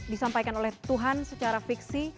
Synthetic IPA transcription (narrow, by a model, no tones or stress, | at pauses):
disampajkanolɛht̪uɦansət͡ʃaɾafiksi